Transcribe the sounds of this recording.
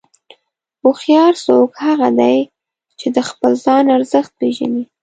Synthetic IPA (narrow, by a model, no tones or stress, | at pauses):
uxjɑɾsokhaɣad̪aj | t͡ʃed̪əxpəlzɑnaɾzəxt̪̚peʒa̰ni